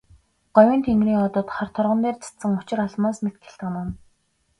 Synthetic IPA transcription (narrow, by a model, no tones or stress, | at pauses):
ɢ̥ɔwʲiːnt̪ʰeŋɡriːŋɔt̪ɞ̆t̪χart̪ʰɔrʁə̆nt̪eːrt͡sʰḁt͡sə̆ŋʊt͡ɕɪ̆raɮmaːsmet̪̚ɡʰĕ̥ɬt̪ănʊn